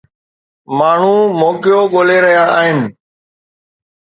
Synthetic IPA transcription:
maːɳ̤ũmoːkɪjoɠoːleɾɐɦijaaːɦɪnɪ̆

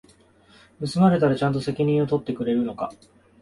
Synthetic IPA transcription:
mɯ̟sɨmaɾe̞t̪aɾat͡ɕãnt̪̬o̞se̞kʲiɲ̟ĩɰ̃o̞t̪o̞t̪ːe̞kɯ̟ɾe̞ɾɯ̟no̞ka

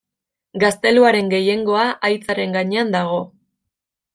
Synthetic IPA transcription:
ɡast̪e̞luaɾe̞ŋɡe̞je̞ŋɡo̞aʔajt͡saɾe̞ŋɡaɲe̞and̪aɣ̞o̞

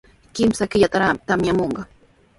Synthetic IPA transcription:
kɪmsakɪʎat̪aɾat̪amjamoɴɢɑ

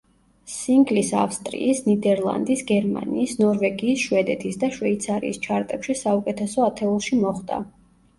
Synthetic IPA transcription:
siŋɡlisa̰fst̪ʼɾḭːsnid̪ɛɾlˠa̰nd̪isɡɛɾma̰niːsnɔɾvɛɡiːsʃwɛd̪ɛt̪ʰisd̪aʃwɛit̪sʰaɾḭːst͡ʃʰaɾt̪ʼɛpʃisaukʼɛt̪ʰɛsɔat̪ʰɛulˠʃimɔχd̪a̰

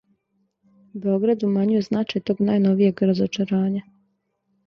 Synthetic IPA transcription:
ube̞o̞ɡɾad̪umaɲujeznaːt͡ʃajt̪o̞ːɡnaːjno̞ʋije̞ɡɾazot͡ʃaɾaːɲa

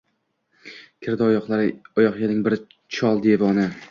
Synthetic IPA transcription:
kʲʰɪɾd̪aɒqlˠaɒjɒqjenɪŋbɪɾ | t͡ʃʰɒlˠd̪evɒnɪ

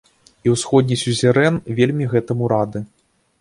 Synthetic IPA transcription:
iwsxɔd̪̚ʲnʲisʲuzʲɛɾɛnvʲelʲmʲiɣɛt̪ɐmuɾad̪ɨ

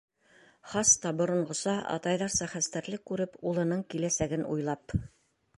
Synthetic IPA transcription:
χɑst̪ɑbŏɾŏɴɢŏsɑʔɑ̰t̪ɑjðɑɾsɑχæst̪æɾlɘkːʉɾɘpulˠɤ̆nɤɴkilæsæɡɘnṵjlˠɑp

